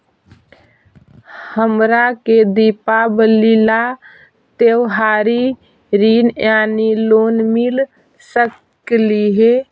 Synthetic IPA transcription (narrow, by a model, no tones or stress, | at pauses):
həmɾaked̪ipabəlila | t̪ewɦaɾi | ɾinjanilonmil | sək | liɦe